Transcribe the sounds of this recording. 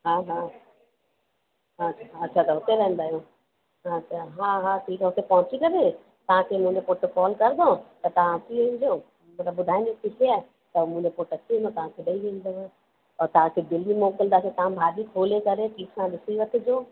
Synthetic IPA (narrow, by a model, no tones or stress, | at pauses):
ɦaːɦaː | ɦaaɐtːɕʰat̪ɐɦʊt̪eɾɐɦə̃nd̪aːijo | ɦaaɦaːɦaːʈʰiːkɦʊt̪epɐɦʊ̃t͡ɕikɐɾe | t̪ɐʋ̤ãkʰemũːɲẽpoːʈkɔːlkɐɾd̪ʱot̪ɐt̪ɐʋ̤ãtʰiʋẽːnd̪ijo | mɐt̪ləbʊd̪ʱaːĩnikikʰiaːe | t̪ɐmũːɲẽpoːʈɐtʰiẽnd̪ot̪ɐʋ̤ãkʰeɗɐiʋẽːn̆d̪ɐʋõ | ɔːɾt̪ɐʋ̤ãkʰeːd̪ɪlmimɔːkəld̪aːset̪ɐʋ̤ãbʱaːɗ̪ikʰoːlekɐɾeʈʰiːksãɗɪsiʋɐt̪ʰɪ̆d͡ʑoː